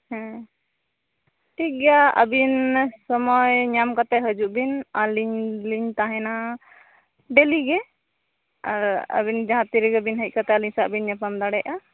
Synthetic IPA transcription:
hɛ̃ | ʈʰik̚ɡjaə̰binsɔmɔjɲamkat̪ɛɦəd͡ʒuʔbinaliɲliɲt̪aɦɛna | ɖɛliɡɛ | aɾə̰bind͡ʒaɦãt̪iɾiɡɛbinɦəc̚kat̪aliɲsaʔbinɲɛpamd̪aɽɛjʔa

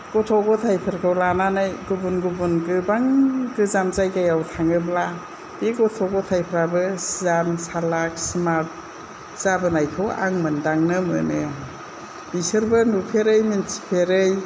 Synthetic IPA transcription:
ɡ̥ɔtʰɔɡɔtʰajpʰɯɾkʰawlananajɡubunɡubunɡɯbaŋɡɯzamzajɡajawtʰaŋɯbla | beɡɔtʰɔɡɔtʰajpʰɾabɯszamsalak̚smat̚ | z̥abɯnajkʰɯwa̰ŋmɯndaŋnɯmɯ̰nɯ | bisɯɾbɯnupʰeɾɯjminsʰi̥pʰeɾɯj

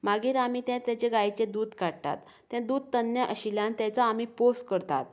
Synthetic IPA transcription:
maɡiːɾamiːt̪ɛ̃t̪jɛ̃t͡ɕeɡajt͡ɕẽd̪uːd̪kaɽt̪a̰t̪ːɛ̃d̪uːd̪̚t̪ənjəʔəɕiljãnt̪jɛ̃t͡saːmiposʈkəɾt̪a̰t̪̚

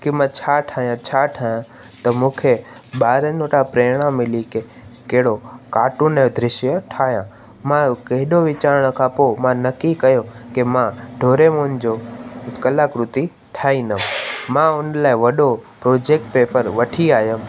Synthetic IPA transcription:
kɪmãt͡ɕʰaːʈʰaːjãt͡ɕʰaːʈʰaːjã | t̪ɐmũːkʰe | ɓaːɾənoʈapɾeːɽ̃ãmɪlike | keɦɽokaːʈʊnə̃d̪ʱɾɪʃjəʈʰaːɦjãː | mãkɐɦɪɗoʋɪt͡ɕaːɾəɽ̃kʰãːpomãnɐkikɐjokemãɖʱoːɾemõːnɪd͡ʑokɐlaːkɾʊt̪i | ʈʰaːĩnd̪əʋmãʊnlaːiʋɐɗopɾoːd͡ʑeːk̚ʈ̚peːpəɾʋɐʈʰiaːjəm

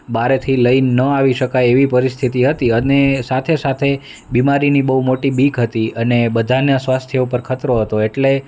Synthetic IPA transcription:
baɾet̪ʰiləinəaʋiʃəkajeʋipəɾist̪ʰit̪iɦət̪iənesat̪ʰesat̪ʰe | bimaɾinibəumoʈibiɡɦət̪iənebəd̪ʱanasʋast̪ʰjeupəɾkʰət̪ɾoɦət̪oeʈle

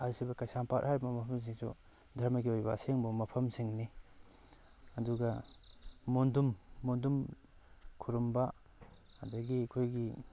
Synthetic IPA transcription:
ɐɾsibɐkajsampathajbɐmɐpʰɐms̬iŋsṵ | dʱɐɾmɐɡiojbɐːseŋbɐmɐpʰɐmsiŋni | ɐduɡɐ | mondumːondum | kʰuɾumba | ɐdɐɡiɐkʰojɡi

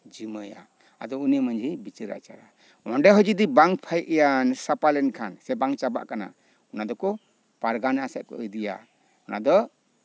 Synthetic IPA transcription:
d͡ʒiməja̰ | a̰d̪ɔunimənd͡ʒibit͡ʃiɾa̰ʔt͡ʃa̰ɾa | ɔɳɖɛɦɔd͡ʒid̪ibaŋpʰajʔɛjansapalɛnkʰansɛbaŋt͡ʃaba̰ʔkana̰ | ɔnad̪ɔkɔ | paɾɡanɛasɛʔ̚kɔ̰ʔəjd̪ija̰ | ɔnad̪ɔ

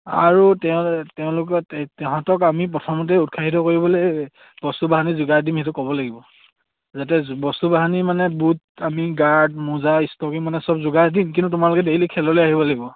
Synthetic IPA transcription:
a̰ɹutɛʊ̃tɛʊ̃lʊkɔtɛ̃ɦatɔkamip̬ɹɔtʰɔmɔt̬ɛut̚kʰaɦit̬ɔkoɹibɔlo | b̥ɔstubaɦanizʊɡadinhɛtʊkɔbɔlaɡibɔ | zatɛbɔstubaɦanimanɛbut̚ | amiɡaɹdmuzaistɔkiŋmanɛsɔbzʊɡaɹdink̬ĩntutʊmaɹlʊkɛdelikʰɛlɔlojaɦibɔlaɡibɔ

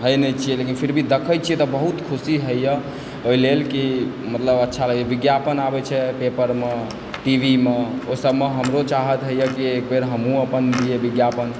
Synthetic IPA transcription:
ɦəjnət͡ʃʰijɛlekinpʰiɾbʱid̪ekʰəjt͡ʃʰiɛt̪ɔbəɦut̪kʰusiɦəjjə | oilelkimət̪ləbətːʃʰaləɡebiɡjapənabɛt͡ʃʰɛpepəɾme | ʈibʱimeosəbʱmeɦəmɾot͡ʃaɦət̪ɦəjəkiekbeɾɦəmũəpənd̪iebiɡjapən

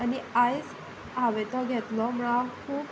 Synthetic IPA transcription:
aniajs | abetɔɡʱɛt̪lɔmɹakʰub

